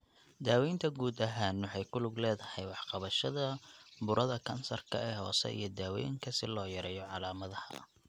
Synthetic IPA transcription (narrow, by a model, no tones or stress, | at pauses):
d̪aːwɛjnt̪ʰɐɡuːd̪ɐɦaːnwɑħɑjkʰʊlʊɡlɛːðɐhɛjwɑħqɑβɐʃɐðɐbʊɾʔɐðɐkʰɐnsɐrkʰɐɛhɔ̰ːsɛ̰ʔḭjɞd̪aːwɛ̰ːjŋkʰɐsɪlɔːjɐɾɛːjɔʕɑlaːmɐðɐhɐ̰